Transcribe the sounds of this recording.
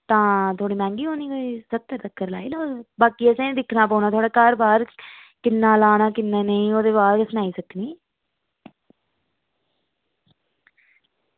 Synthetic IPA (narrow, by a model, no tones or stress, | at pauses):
t̪ãːt̪ʰoːɽiːmɛ̃ːŋɡiːɦoːniːoiːsət̪ːəɾt̪əkːəɾla̰ːiːloːbaːkiːəsẽd̪ɪkʰnãːp̬əːnaːt̪ʰaːɽaːkaːɾbaːɾkɪnːãːlaːnaːkɪnːãːneĩːoːd̪eːbaːɾəsnaːiːsəkːniː